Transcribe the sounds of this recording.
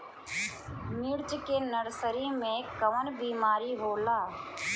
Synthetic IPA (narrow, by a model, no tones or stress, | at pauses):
miːɽt͡ʃkeːnəɽsəɾiːmẽːkəʋənbiːmaːɾiːɦoːlaː